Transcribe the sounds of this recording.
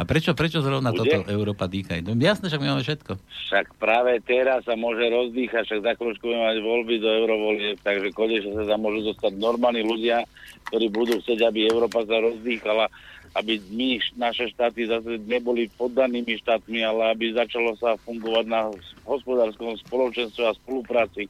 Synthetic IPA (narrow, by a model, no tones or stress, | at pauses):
apɾɛt͡ʃɔpɾɛt͡ʃɔzɾɔʊnat̪ɔɛt̪ɔʔɛʊɾɔːpad̪iːxajt̪ɔjasnɛːfʃ̬aɡmimaːmɛfʃɛt̪kɔfʃakpɾaːʋɛt̪ɛɾasːamʊɔʒɛɾɔzd̪iːxacʃaɡzaklɔt͡ʃkubuɟɛmɛmaɟʋɔlbid̪ɔɛʊɾɔʋɔliɛpt̪aɡʒɛkɔɲɛʃɛs̬azamʊɔʒuzɔst̪aɟnɔɾmaːlniluɟɪak̚t̪ɔɾiːbud̪uːxt͡sɛɟabiɛʊɾɔːpas̬aɾɔzd̪iːxalaabiminaʃɛʃt̪aːt̪izas̬ɛɲɛbɔlipɔd̪ːaniːmiʃt̪aːt̪mialɛabizat͡ʃalɔsafuŋɡɔʋaɟnaɦɔspɔd̪aːɾskɔmspɔlɔt͡ʃɛnst̪ʋɛaspɔlupɾaːt͡si